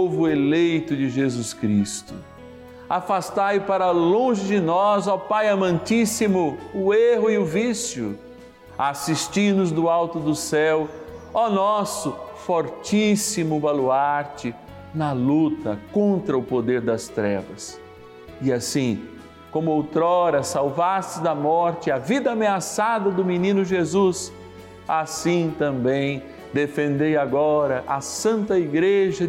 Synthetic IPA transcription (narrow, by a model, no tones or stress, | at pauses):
ovʊelejt̪ʊd͡ʒɪʒezuskɾist̪ʊ̰ | afast̪ajpaɾɐlõʒɪd͡ʒɪnɔzɐwpajɐmɐ̃nt͡ʃisimʊʊeɦʊiʊvisjʊ | asist͡ʃinʊzd̪ʊawt̪ʊd̪ʊsɛwanɔsʊfɔɾt͡ʃisimʊvaluaɾt͡ʃɪ | nɐlut̪ɐkõnt̪ɾɐʊpod̪eɾd̪ɐst̪ɾɛ̰vɐs | ɪasĩ | kõmʊowt̪ɾɔɾɐsawvast͡ʃɪzd̪ɐmɔɾt͡ʃɪɐvid̪ɐameasad̪ɐd̪ʊminĩnʊʒezus | asĩt̪ɐ̃mbẽj̃ | d̪efẽnd̪ejaɡɔɾɐʔasɐ̃nt̪ɐiɡɾeʒɐ